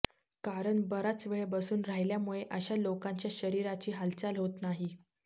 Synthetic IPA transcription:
kaɾəɳbəɾat͡sʋeɭebəsuːnɾajljamuɭeʔəɕalokaɲt͡ɕjaɕəɾiɾat͡ɕiːɦalt͡salɦot̪naɦi

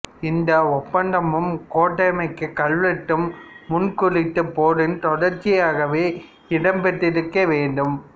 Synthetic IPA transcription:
ɪnd̪ɐɔpːɐɳɖɐmɯmkoːʈːɐɪjmɐɪkːɯkːɐɭʋɛʈːɯmːʊnkʊɾɪʈ̪ːɯpːoːɽɯnt̪ɔɽɐɾt͡ʃːɪjaːɣɐʋeː | ɪɽɐmpɛʈːɪɾɯkːɐʋeːɳɖɯm

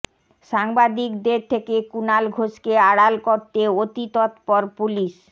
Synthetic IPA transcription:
ʃaŋbad̪ikd̪eɾt̪ʰekekunalɡʱoʃkeaɽalkoɾt̪eot̪it̪ɔt̪pɔɾpuliʃ

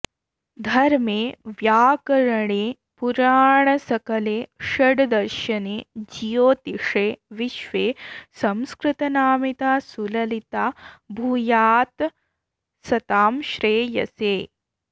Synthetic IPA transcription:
d̪ʱɐɾmeːʋjaːkɐɾɐɳeː | puɾaːɳɐsɐkɐleːʃɐɖd̪ɐɾʃɐneːd͡ʒijoːt̪iʂeːʋiʃʋeːsɐmskɾɪt̪ɐnaːmit̪aːsulɐlit̪aːbʱujaːt̪ | sɐt̪aːmʃɾeːjɐ̰seː

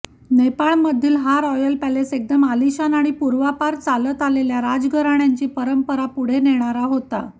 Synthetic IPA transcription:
nepaɭməd̪ʱːiːlɦaɾɔjəlpɛlesek̚d̪əmaliɕanaɽ̃ipuɾʋapaɾt͡salət̪aleljaɾad͡zɡəɾaɳjaɲt͡ɕiːpəɾəmpəɾapuɽ̤eneɽ̃aɾaɦot̪a̰

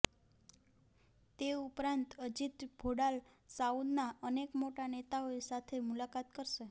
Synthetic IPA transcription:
t̪eupɾant̪əd͡ʒit̪bʱoɽalsaud̪naənekmoʈanet̪aoesat̪ʰemulakat̪kəɾʃe

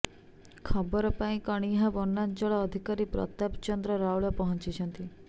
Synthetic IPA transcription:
kʰɔbɔɾɔpaĩkɔɽ̃iɦabɔnːant͡ʃɔɭɔːd̪ʱikaɾipɾɔ̰t̪apt͡ʃɔnd̪ɾɔɾauɭɔpɔɦɔ̃nt͡ʃit͡ʃʰɔnt̪i

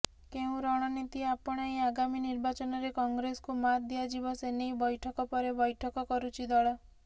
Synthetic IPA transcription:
keũɾɔɽ̃ɔnit̪iapɔɽ̃aiaɡaminiɾbat͡ʃɔnɔɾekɔŋɡɾesɔ̥kumad̪iad͡ʒibɔsenejbɔjʈʰɔkɔpɔɾebɔjʈʰɔkɔkɔɾut͡ʃʰid̪ɔɭɔ

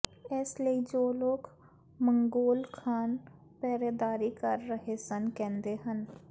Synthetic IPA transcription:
ɛːsləid͡ʒoːloːɡ | mə̃ŋɡoːlkʰaːn | pɛːɾed̪aːɾikəɾːəɦesənkɛ̃ːnd̪eɦən

